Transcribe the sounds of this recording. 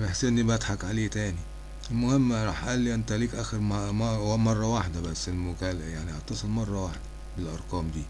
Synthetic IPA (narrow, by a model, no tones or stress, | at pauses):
beħsʔenːibæt̪ħakʕaleːt̪æːni | elmʊhemːɾˤɑːħʔæ̰ʔæːlːiʔænt̪æliːkʔæːxeɾmɑhwæmɑrˤːɑwaħd̪æbæsːelmʊkæljaʕnihɑt̪ːɑsˤelmɑrˤːɑwaħd̪æ | belʔɑɾˤqɑːmd̪iː